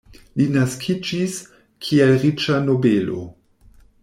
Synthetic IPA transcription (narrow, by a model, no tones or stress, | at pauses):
linaskʰid͡ʒis | kʰielʁit͡ʃano̞belo̰